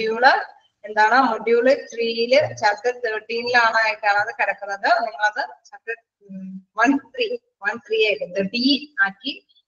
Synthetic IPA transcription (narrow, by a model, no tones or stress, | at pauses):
ijuːɭɨ | end̪aːɳɨmoɖjuːɭɨt̪riːjilɨt͡ɕɐlkːɐt̪eɖijililaːɳɨaːjikʲːaːɳɐðɨkɐɽɐkːunːɐðɨniŋːɐɭɐðɨt͡ɕɐlkɐʈ | ʋɐnt̪ri | ʋɐnt̪riːjaːjlːɨt̪eɖijiaːkːi